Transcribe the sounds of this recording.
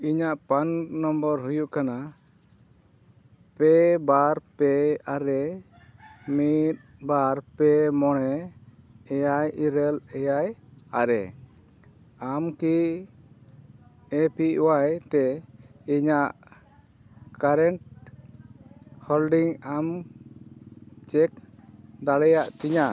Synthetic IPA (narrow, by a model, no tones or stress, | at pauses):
iɲaʔpannɔmbəɾɦujuʔkana | pɛbaɾpɛaɾɛ | mit̪̚baɾpɛmɔɽɛ | ɛjajiɾɛlɛjajaɾɛ̰ | amki | ɛpiwajt̪ɛiɲaʔ | kaɾɛɳʈ̚ | hɔlɖiŋam | t͡ʃɛk̚d̪aɽɛjaʔt̪iɲa